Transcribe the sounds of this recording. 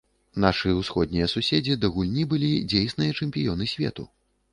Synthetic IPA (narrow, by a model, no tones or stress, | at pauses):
n̪aʂɨjɐwsxɔd̪̚ʲnʲijɐsusʲed͡zʲid̪ɐɣulʲnʲibɨlʲid͡zʲejsnɨjɐt͡ʂɛmʲpʲijɔnɨsʲvʲɛ̰t̪u